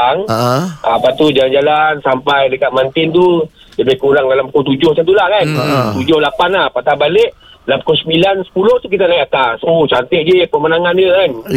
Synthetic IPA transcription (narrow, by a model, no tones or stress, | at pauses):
aŋapat̪ud͡ʒaland͡ʒalansampajdəkaʔ̪̚mant̪ɪnt̪u | ləbajkuɾaŋdalamkot̪ud͡ʒʊhkant̪ulahkant̪ud͡ʒʊhlapanlahpat̪abaleʔ | lamkosəbilansə̥puloht̪uk̬it̪anajakasot͡ʃant̪ɛʔd͡ʒəpəmənaŋanjəkan